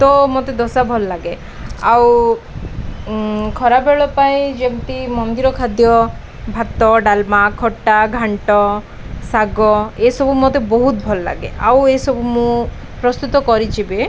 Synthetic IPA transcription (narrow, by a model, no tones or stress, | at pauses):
t̪ɔmot̪ed̪ɔsabʱɔlɔlaɡe | aw | kʰɔɾabeɭɔpajd͡ʒemt̪imɔnd̪iɾɔkʰad̪jɔ | bʱat̪ːɔɖalmakʰɔʈːaɡʱaɳʈɔ | saɡɔesɔbumot̪ebɔɦut̪̚bʱɔlɔla̰ɡḛa̰wesɔbumũ | pɾɔst̪ut̪ɔkɔɾit͡ʃʰibe